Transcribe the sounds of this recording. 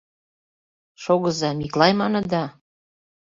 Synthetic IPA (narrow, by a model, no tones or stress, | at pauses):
ʃoɣɤzɑmiklɑjmɑnɤ̆d̪ɑ